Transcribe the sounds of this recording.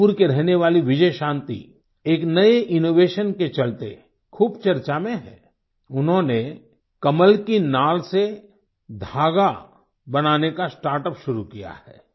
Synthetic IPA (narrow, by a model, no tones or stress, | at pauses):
uɾkeɾɛɦneʋaːliʋɪd͡ʒəjʃãːnt̪ḭ | eːknɐeʔɪnoːʋeːʃənket͡ʃɐlt̪ḛ | kʰuːbt͡ʃɐɾt͡ʃamẽɦɛ̰̃ː | ʊnɦõne | kɐməlkinaːlse | d̪ʱaːɡa | bɐnaːnekasʈaːɾʈəpʃʊɾukija̰hɛ̰ː